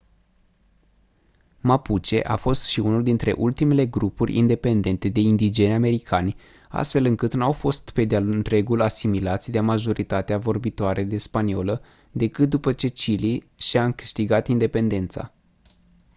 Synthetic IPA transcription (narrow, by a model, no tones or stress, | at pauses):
maput͡ʃe̞̰ʔafo̞st̪ʃiunuld̪int̪ɾe̞̰ʔult̪ime̞le̞ɡɾupurʲḭnd̪e̞pe̞nd̪e̞nt̪e̞d̪e̞ind̪id͡ʒe̞nʲame̞ɾikʰanʲ | a̰st̪fe̞lɨŋkɨt̪nawfo̞st̪pe̞d̪ealnt̪ɾe̞ɡulasimilat̪sʲd̪eamaʒo̞ɾit̪at̪eavo̞rbit̪oaɾʔe̞d̪e̞spanio̞lə | d̪e̞kɨt̪̚d̪upət͡ʃe̞t͡ʃili | ʃiaɨŋkɨʃt̪iɡat̪ind̪e̞pe̞nd̪e̞nt̪sa̰